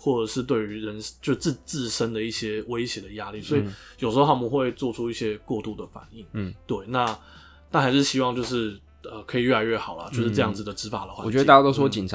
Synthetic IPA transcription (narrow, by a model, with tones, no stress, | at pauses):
xwɔ˥˩ʈ͡ʂə˨˩ʂɻ̩˥˧t̪we˥˩ɪy˧˥ɻə˧˦nʂt͡ɕjo˥˧ʊ˧t͡s̩˥˧t͡sɹ̩˥˩ʂə˦˥nd̪ə˨i˥˩ɕjɛ˥we˥ɪɕjɛ˧˥d̪ə˩ja˦˥li˥˩swɔ˧˥i˨˩ | jo˨˩ʊʂ̩˧˥o˧xa˥˩mu˥˧xwe˥˧ɪt͡swɔ˥˧˩ʈ͡ʂʰu˥i˥˩ɕjɛ˦˥kwɔ˥˧t̪u˥˩d̪ə˩fa̰˨˩ni˥˩ŋt̪we˥˩ɪna˥˧ | t̪a˥˩xa˧˥ɪʂ̬ɻ̩˥˩ɕi˥wɑ˥˧ŋt͡ɕjo˥˧ʊʂɻ̩˥˩ | ə˨˩kʰɤ˧˥i˨˩ɥɛ˥˩la˧ɪɥɛ˥˩xɑ˨˩ʊlɐ̰˦t͡ɕjo˥˧ʊʂɻ̩˥ʈ͡ʂɤ˥˧jɑ˥˩ŋd͡z̩˩d̪ə˩ʈ͡ʂɻ̩˧˥fa̰˨˩d̪ə̰˩xwa̰˥˨t͡ɕɛ˧˥ə˥t̪a˥˩a˥t̪o˥ʊ˥ʂwɔ˥t͡ɕi˨˩nʰ˦